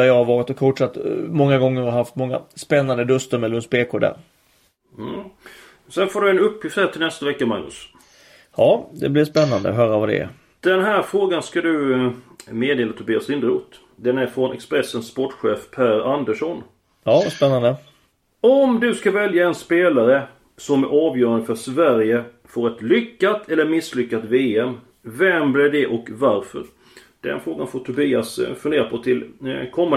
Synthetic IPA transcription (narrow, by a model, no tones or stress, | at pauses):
æɾjɑːhaɾvɑːɾɪt̪ɔkʰfʊʈʂat̪ːmɔŋːaɡɔŋːəɾaɦaft̪mɔŋːa̰spɛnːand̪əd̪ɵst̪əɾmɛlːɵnspeːkʰʊɖ̪æ̰ɾ | h̩ | sɛnfoːɖɵɛnɵpʰːjɪft̪hæːʈ̪ʰɪlnɛst̪avɛkːama̰ɡnɵ̰s | hɑːd̪ɛblɪɾʂpɛnːand̪ə̰ɦœːɾavad̪ɛ̰æ̰ɾ | d̪̥ɛnɦæːɾfɾoːɡanskad̪ɵ | meːd̪eːlat̪ʰɵbeːasɪnd̪ɾuːt̪ | d̪ɛnæɾfɾɔnʔɛ̰kspɾɛsənsːpɔʈːɧeːfpʰæːɾand̪əʂɔn | ɑspɛnːand̪ə | ɔmd̪ɵskavɛljaɛnspeːlaɾə | sɔmæɾʔɑːvjœːɾand̪əfœʂvæɾjə | foːɾɛt̪lʏkːat̪ʰɛlːəɾmɪslʏkːat̪veːɛm | vɛmblɪːd̪ɛʔɔkvaɾfœ̰ɾ | d̪̥ɛ̰nfɾoːɡanfoːʈʰʊbiːasfɵnd̪eːɾapʰɔt̪ʰɪlkʰɔmːa